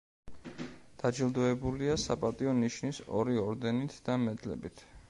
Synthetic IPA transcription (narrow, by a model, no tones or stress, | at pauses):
d̪̥ad͡ʒilˠd̪ɔɛbuliasapʼat̪ʼiɔniʃnisɔ̰ɾiɔɾd̪ɛnit̪ʰd̪̥amɛd̪lɛ̰bit̪ʰ